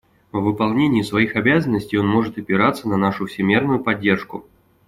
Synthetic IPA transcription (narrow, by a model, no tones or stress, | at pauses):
vːɨpɐlˠnʲenʲɪɪsvɐixɐbʲazənːəsʲtʲɪjonmo̞ʐɨt̪ɐpʲɪɾat̪sːənɐnaʂʊfsʲɪmʲe̞rnʊjʊpɐdʲːe̞rʂkʊ̰